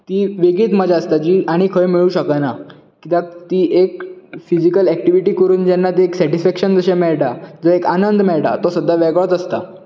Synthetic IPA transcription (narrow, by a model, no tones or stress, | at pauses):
t̪iːʋeɡiːt̪məd͡zaəst̪ad͡ʑiːʔaɽ̃ikʰəɭmiɭuːɕəkana | kit̪ãt̪iːʔekfid͡ʑikəlɛk̚ʈiʋiʈiːkəɾuːnd͡ʑɛnːat̪ieksɛʈisfɛkɕənd͡zəɕemɛɭʈad͡zəekanənd̪ʱmɛɭʈa̰t̪ɔsəd̪ʱːaʋɛɡɭət̪əst̪a